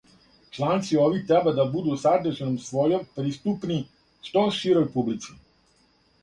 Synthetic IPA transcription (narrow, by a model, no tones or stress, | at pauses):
t͡ʃlaːnt̪siɔːʋit̪ɛbɛd̪abud̪usaɾt̪ɛʒɛnɔmsʋɔːjɔmpɾist̪uːpni | st̪ɔʃiɾɔjpublisi